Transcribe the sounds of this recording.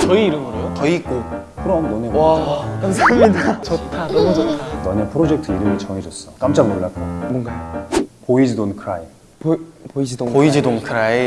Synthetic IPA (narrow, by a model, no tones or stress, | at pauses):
t͡ɕʌiːɾʌnɡʌɾejotʌik͈ɯ | pʰɯɾʌɦnɡoneakamsamɲidat͡ɕʌtʰadod͡ʑʌnʌɲepʰɯɾod͡ʑe̞k̚tʰɯiɾɯmit͡ɕʌŋed͡ʑʌs͈ʌk͈amt͡ɕ͈aŋmoɭːak͈omʌŋɡapoid͡ʑidonkʰɯɾae | pid͡ʑipoid͡ʑidonkʰɯɾae